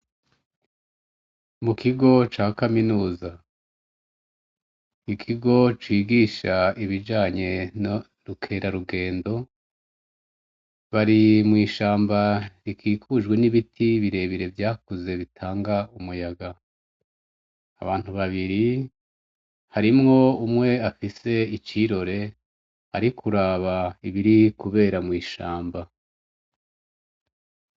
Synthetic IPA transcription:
mukiɡo̞t͡ʃaːkaminuːza | ikʰiɡo̞t͡ʃiːɡiːʃaiβid͡ʒaːɲe̞n | ɾukʰe̞ɾaɾuɡe̞ːndo̞ | βaɾimŋiːʃaːmbaɾikʰiːkʰuːʒɡwe̞niβitʰiβiɾe̞βiɾe̞vjaːkuze̞βitʰaːŋɡaumujaɡa | βaːn̥uβaβiɾi | haɾimŋo̞umŋe̞afise̞it͡ʃiɾo̞ɾe̞ | haɾikʰuɾaβaiβiɾikuβe̞ːɾamŋiːʃaːmba

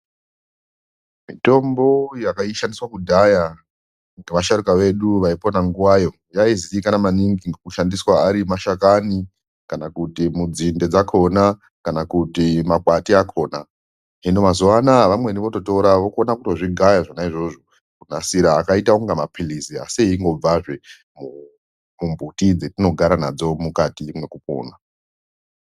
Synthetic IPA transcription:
mito̞mbo̞jakaiʃandiswakudʱaja | ŋɡeʋaʃaɾikaʋe̞ɗuʋaiponaŋɡuwajo̞ | jaiziikanamaniŋɡiŋɡekuʃandiswaːɾimaʃakani | kanakutimud͡zinde̞d͡zakʰo̞na | kanakutimak͡patiakʰo̞ːna | ɦinomazoanaʋamweniʋo̞to̞to̞ɾaʋokonakuto̞ʐiɡʱajaʐanaiʐo̞ʐo | kunasiɾaːkaitauŋɡamapʰilisia̰seiiŋɡo̞b͡vaʐe | mu | mumbʱutid͡zetino̞ɡʱaɾanad͡zo̞mukatimwe̞kupo̰ːna

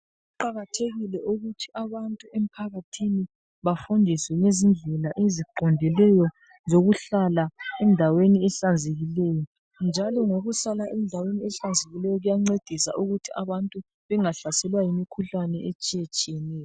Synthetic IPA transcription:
uǃaɣatʰeɣilɛʔuɣutʰiaβantʼuem̩pʰaɣatʰini | βafundʱiswɛŋezind͡ɮʱɛlaʔeziǃɔndʱɛlɛjɔ | zoɣuɬalaɛndʱaweniɛɬand͡zʱeɣilɛːjɔ | nd͡ʒʱalɔŋoɣusalaʔɛndʱaweniɛɬand͡zʱeɣilɛjɔɣujaŋ͡ǀed̥ʱisa̰ʔuɣutʰiaβantʼu | βɛŋaɬasɛlwajimikʰuɬanɛet͡ʃʼijɛt͡ʃʼijɛnɛːjɔ

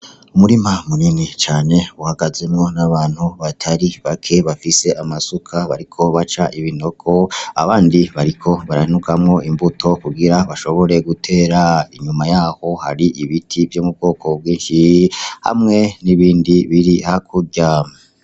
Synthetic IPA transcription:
umuɾimamuninit͡ʃaːne̞uhaɡaze̞mŋo̞naβaːn̥huβatʰaɾiβakʰe̞βafise̞ʔamasukʰaβaɾikʰo̞βat͡ʃaʔiβino̞kʰo̞a̰βaːndiβaɾikʰo̞βaɾa̰hinukʰamŋo̞ʔimbutʰo̞kuɡiɾaβaʃo̞βo̞ɾe̞ɡutʰe̞ːɾaiɲumajaːho̞ha̰ɾiʔiβitʰivjoːmub̚ɡo̞ːkʰobɡiːnʃiha̰mŋe̞niβiːndiβiɾihakʰuɟama

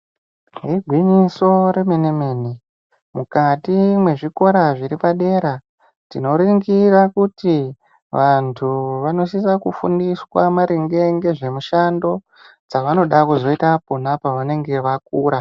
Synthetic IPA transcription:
ɦiɡʱwiɲiso̞ɾe̞menemeni | mukatimwe̞ʐiko̞ɾaʐiɾipaɗe̞ːɾa | tino̞ɾiŋɡiɾakuti | ʋantʰuʋano̞ʃ̬isakufṵndiswamaɾiŋɡeŋɡe̞ʐe̞muʃando̞ | d͡zaʋano̞ɗakuzo̞itaponapaʋane̞ŋɡe̞ʋak̚uːɾa

